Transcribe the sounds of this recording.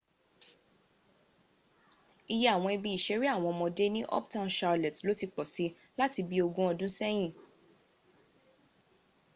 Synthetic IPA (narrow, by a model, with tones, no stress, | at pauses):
i˧jɛ˦a˦˨w̃ɔ̃˧i˧bi˧i˨ʃɛ˨˦ɾi˦a˦˨w̃ɔ̃˧mɔ̃˧de˦nĩ˦ʔɔ̰˦ptã˦˧nʃa˧lɛ˨tlo˦ti˧k͡pɔ˨si˨˦ | la˦ti˧bi˦o˧ɡũ˦ɔ˧dũ˦sɛ˦j̃ĩ˦˨